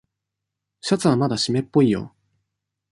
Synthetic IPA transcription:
ɕat͡sɨβamad̪aɕime̞pːo̞ijo̞̰

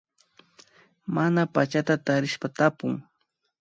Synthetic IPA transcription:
manapat͡ʃat̪at̪aɾɪʃpat̪apʊŋ

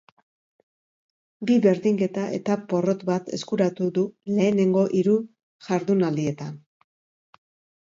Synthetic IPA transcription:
biβe̞ɾðiŋke̞t̪aʔe̞̰t̪apo̞ro̞t̪bat̪e̞̰skuɾat̪uðule̞ːne̞ŋɡo̞ʔiɾu | ʝaɾðunald̪ie̞t̪an

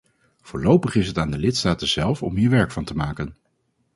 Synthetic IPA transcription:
v̥ʊːɹlowpəχɪsɦətaːndəlɪtstaːtənzɛlˠfɔ̰mɦiːɹʋɛɹkfɑntəmaːkən

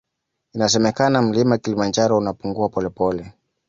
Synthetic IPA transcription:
inas̬ɛmɛkanam̩limaakilimand͡ʒaɾɔunapuŋɡuapɔlɛpɔlɛ

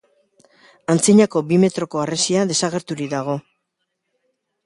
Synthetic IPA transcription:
ant͡siɲako̞bime̞t̪ɾo̞ko̞aresiaðe̞saɣe̞ɾt̪uɾid̪aɣ̞o̞

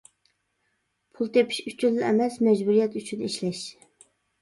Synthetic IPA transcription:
pʰulˠt̪ʰepʰɪ̥ʃyt͡ʃʰyllɪʔɛmɛsmɛd͡ʒbuɾijɛt̪yt͡ʃʰyniʃlɛʃ

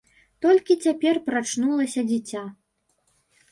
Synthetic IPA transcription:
t̪ɔlʲkʲit͡sʲapʲɛrpɾat͡ʂnulˠɐsʲɐd͡zʲit͡sʲa

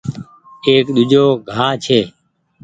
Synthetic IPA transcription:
eːkɗ̪ʊd͡ʒoːɡʱaːt͡ʃʰeː

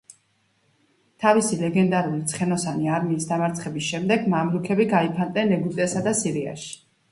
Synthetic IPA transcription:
t̪ʰavisilɛɡɛnd̪aɾulit̪sʰχɛnɔsaniaɾmiːsd̪amaɾt̪sʰχɛbisʃɛmd̪ɛɡmamɾukʰɛbiɡaipʰand̪nɛnɛɡut̪ʼɛɛsad̪asiɾia̰ʃi̥

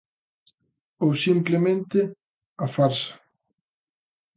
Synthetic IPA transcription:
owsimplɪmẽnt̪ɪ | afaɾsḁ

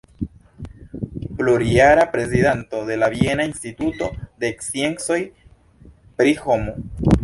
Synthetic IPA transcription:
ploɾiaɾapɾe̞zidanto̞de̞lavie̞nainstituto̞d̪eːksie̞nso̞j | pɾiho̞mu

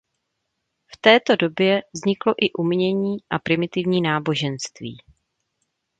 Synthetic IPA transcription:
ft̪ɛːt̪o̞do̞bjɛvzɲɪklo̞ʔɪʔumɲɛɲiːʔapɾɪmɪt̪ɪvɲiːnaːbo̞ʒɛnst̪vḭː

